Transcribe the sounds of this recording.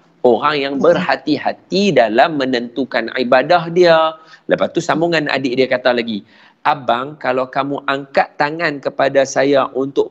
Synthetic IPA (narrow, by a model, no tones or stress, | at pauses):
oɾaŋjaŋbərhat̪iɦat̪idalamːə̃nənt̪ukanibadahdialəpat̪usamuŋana̰dɪʔdiakat̪alaɡi | ʔabaŋkalawkamũʔaŋkat̪ːaŋankəpadasajaʔunt̪ʊʔ